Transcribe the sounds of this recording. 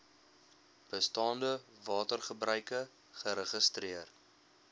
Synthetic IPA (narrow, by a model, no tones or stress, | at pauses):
b̥əstɑːndəvɑːtərχəbrœɥkə | χəɾəχəstriər